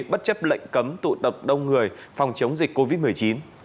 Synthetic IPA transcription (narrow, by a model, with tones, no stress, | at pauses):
ɓə˦˥t̚t͡ɕə˦˥p̚lə̰˧˨jŋ̟kə˨˦mt̪ṵ˧˨t̪ə˨˩p̚ɗə˧wŋ͡mŋɨ˨˩əjfa˨˩wŋ͡mt͡ɕə˨˦wŋ͡mzï˨˩k̚kːo˧vi˦˥t̚mɨ˨˩əjt͡ɕi˨˦n